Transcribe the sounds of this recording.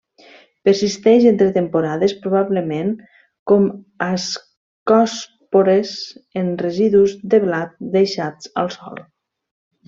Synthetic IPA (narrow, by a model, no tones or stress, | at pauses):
pəɾsist̪ɛʃent̪ɾet̪empuɾaðespɾuβ̞aβləmeŋ | kom | as | kɔs | poɾezenreziðuzd̪eβlat̪̚d̪ejʃat͡sə̰lˠsɔ̰lˠ